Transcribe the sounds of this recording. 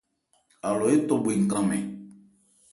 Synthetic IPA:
a˨lɔ˨e˦tɔ˦be˨ŋ̩˨kã˦mɛ̰̃˨

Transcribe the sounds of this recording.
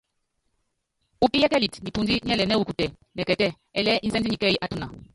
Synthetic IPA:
u˦pi˦jɛ˦kɛ˦li˨tni˨pu˦nzi˦ɲɛ˦lɛ˨nɛ˦u˦ku˨tɛ˨ | nɛ˨kɛ˨tɛ˦ | ɛ˦˨lɛ˦ʔi˦nzɛ˦nzi˦ɲi˨kɛ˦i˨ʔa˦tu˦na˨

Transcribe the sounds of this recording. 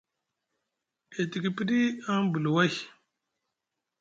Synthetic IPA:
e˨ti˨ɡi˨pi˦ɗi˦a˦ŋbu˨lwa˦˨

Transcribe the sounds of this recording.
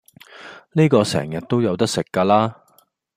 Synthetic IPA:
niː˥kɔː˧sɛ̰ː˨˩ŋjɐ˨˩t̚t̪o˥wjɐ˨˧wt̪ɐ˥k̚sɪ˨kːaː˧laː˥

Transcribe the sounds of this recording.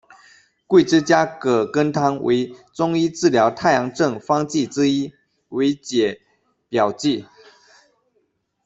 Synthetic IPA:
kwe˥˩ʈ͡ʂɻ̩˥t͡ɕja˥kɤ˨˩kə˦nt̪ʰɑ˥ŋwʔḛ˧˥˦ɪt͡sʊ˥ŋi˥t͡sɻ̩˥˨ljɑ˧˥ʊt̪ʰa˥˩ɪjɑ˧˥ŋʈ͡ʂɤ˥˨˩ŋfɑ˥ŋt͡ɕi˥˨ʈ͡ʂɻ̩˥i˥ | we˧˥ɪt͡ɕjɛ˨˩˦ | pjɑ˨˩ʊt͡ɕi˥˩

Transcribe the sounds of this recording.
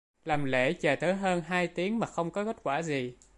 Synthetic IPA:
laː˨˩mlḛ˧˩t͡ɕəː˨˩t̪əː˨˦jɦəː˧nɦaː˧jt̪i˨˦əŋmaː˨˩xə˧wŋ͡mkɔ˨˦ke˦˥t̚kwaː˧˩zi˨˩

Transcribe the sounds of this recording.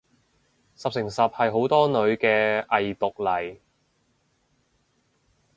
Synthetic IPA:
sɐ˨p̚sɪ˨˩ŋsɐ˨p̚hɐ˨jɦo˨˥wt̪ɔː˥nɵ˨˧ɥkɛː˧ʔɐ˨jt̪ʊ˨k̚lɐ˨˩j

